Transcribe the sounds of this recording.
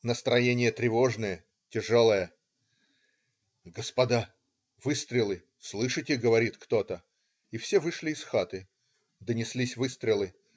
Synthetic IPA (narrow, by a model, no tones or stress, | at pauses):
nəst̪ɾɐjenʲɪjət̪ɾʲɪvo̞ʐnəjə | tʲɪʐolˠəjə | ɡəspɐd̪a | vɨst̪ɾʲɪlˠɨ | slˠɨʂɨtʲɪɡəvɐɾʲit̪kt̪o̞t̪ə | ifsʲevɨʂlʲɪːsxat̪ɨ | d̪ənʲɪslʲisʲvɨst̪ɾʲɪlˠɨ